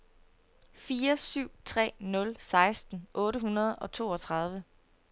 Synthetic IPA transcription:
fiːɐsyʊ̰t͡sʰʁɛ̰ːnɔ̽lsɑ̈ɪsd̥n̩ʔɔ̽ːɾəɦunɐð̞ˠɒ̽t͡sʰo̝ːɒ̽t͡sʰʁɑ̈ð̞ˠʋə

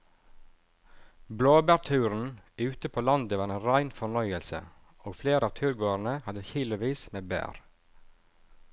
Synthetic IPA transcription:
bloːbæːɾt̪ʰʉːɾn̩ʉːt̪əpʰoːlɑnd̪əʋɑːɾeːnɾæɪnfɔɳœʏəlsə̰ | oːɡfleːɾəɑːʋt̪ʰʉːɾɡoːəɾɳəhɑd̪əçɪləʋiːsmeːbæ̰ːɾ

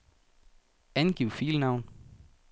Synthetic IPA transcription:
ænɡ̥iʊ̰fiːlnɑ̈ʊn

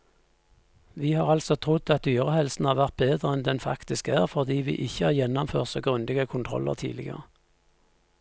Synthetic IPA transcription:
ʋiːhɑːʁɑlsɔt̪ʰʁʊd̪ɑt̪̚d̪yːʁəhɛlsn̩hɑːʁʋæʁt̪̚beːd̪ʁəɛnd̪ɛnfɑ̰kt̪ɪskæːʁfɔʁd̪iːʋḭːʔɪçəhɑːʁjɛnɔmføːʁtsɑɡʁʉnd̪ɪɡəkʰʊnt̪ʰʁɔ̰lːə̰ʁt̪ʰḭːlɪɡə̰ʁə

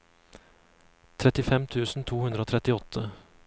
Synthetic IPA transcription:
t̪ʰɾɛt̪ɪfɛmt̪ʰʉːsn̩t̪ʰuːhʉnd̪ɾəoːt̪ʰɾɛt̪ɪɔt̪ʰə

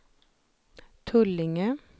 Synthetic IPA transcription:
t̪ʰʉlɪŋə

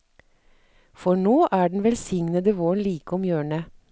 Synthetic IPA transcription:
fɔɳoːʔæːɖɳ̩ʋɛlsɪŋnəd̪əʋoːɳliːkʊmjøːɳə

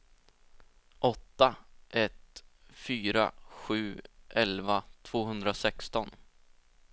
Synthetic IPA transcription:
ʔɔt̪ːaʔɛt̪fyːɾa̰ɧʉ̟ːʔɛlvat̪ʰv̥oːɦɵnd̪ɾasɛkst̪ɔn

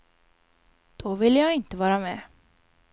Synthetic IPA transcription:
d̪̥ɔvɪlːjɑːɡɪnt̪əvɑːɾamɛː

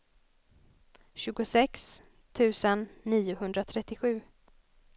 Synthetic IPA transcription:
ɕʉ̟ːɡʊsɛks | t̪ʰʉ̟ːsənːiːʊɦɵnd̪ɾat̪ʰɾɛt̪ːɪɧʉ̟ː

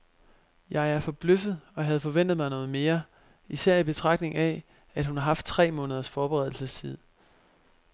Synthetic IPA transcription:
jɑ̈ɪæɐfɒ̽b̥løfð̞̩ˠɒ̽ɦæð̞̩ˠfɒ̽ʋen̰d̥ð̩ˠmɑ̈ɪnɔːð̞̩ˠme̝ːɐ | isæɐ̰ib̥e̝t͡sʰʁɑ̈ɡ̥̚dne̝ŋɛ | æd̥hunɑ̈ɦɑ̈fd̥̚t͡sʰʁɛ̰ːmɔ̽nəð̞ˠɐsfɒːb̥eʁɛð̞ˠl̩səst͡sʰið̞̩ˠ

